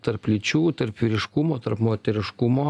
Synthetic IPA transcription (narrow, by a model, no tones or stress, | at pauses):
t̪ɐɾplʲɪt͡ʃʲuːt̪ɐɾpʋʲiːɾʲɪʃkʊmoːt̪ɐɾpmoːt̪ʲɛɾʲɪʃkʊmoː